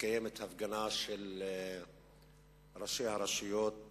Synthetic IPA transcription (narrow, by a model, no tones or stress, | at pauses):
kajemet̪hafɡanaʃel | ɾaʃejhaɾaʃijot̪̚